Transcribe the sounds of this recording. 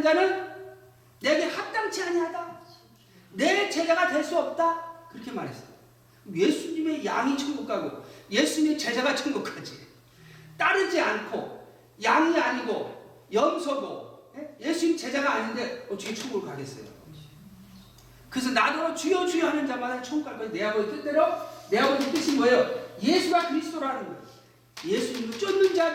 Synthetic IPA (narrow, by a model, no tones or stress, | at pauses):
d͡ʑanɯn | ne̞ɡe̞hak̚t͈aŋt͡ɕʰiaɲiɦada | ne̞t͡ɕe̞d͡ʑaɡadwe̞ɭs͈uʌp̚t͈akɯɾʌkʰe̞ma̰ɾɦe̞s͈ʌda | mje̞sʰuɲime̞jaŋit͡ɕʰʌŋmokʰaɡojesʰuɲimet͡ɕe̞d͡ʑaɡat͡ɕʰʌŋmokʰad͡ʑi | t͈aɾɯd͡ʑiankʰo̰ | jaŋiaɲiɡo | jʌmsʰʌɡo̰jeje̞sʰuɲimt͡ɕe̞d͡ʑaɡaːɲindeʌt͡ɕiet͡ɕʰoŋɡoɾɯɭkaɡe̞s͈ʌ̰jo̰ | kɯɾes̬ʰʌnadʌɾot͡ɕujʌt͡ɕuoɦanɯnd͡ʑamadat͡ɕʰʌŋk͈abʌne̞ɦaɡot͈et͈eɾone̞aɡoɡet͈ɯɕʰinɡʌejoje̞sʰuɡakɯɾisʰtʰoɾɦanɯnʌ | jesʰuɲimɭt͡ɕ͈ʌnːɯnd͡ʑa